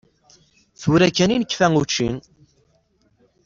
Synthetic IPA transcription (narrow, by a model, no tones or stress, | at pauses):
θuɾækːæninəkːfæŋut͡ʃːḭn